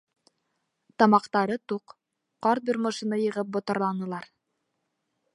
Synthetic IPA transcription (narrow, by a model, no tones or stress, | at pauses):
t̪ɑmɑqt̪ɑɾɤt̪uq | qːɑɾt̪̚boɾmŏʃɤnɤjɤ̆ʁɤp̚bŏt̪ɤ̆ɾlˠɑnɤ̆lˠɑɾ